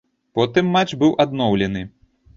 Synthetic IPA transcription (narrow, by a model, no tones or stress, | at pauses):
pɔt̪ɨmːat͡ʂːbɨwʔad̪nɔwlʲɛnɨ